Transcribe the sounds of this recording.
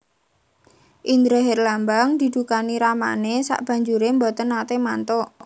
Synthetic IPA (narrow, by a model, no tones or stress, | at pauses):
ʔind̪ɾeɦɛrlambaŋd̪̥i̤d̪ukaniɾama̰nesa̰ʔb̥ä̤ɲd͡ʒuɾembɔt̪ənːat̪emant̪ɔʔ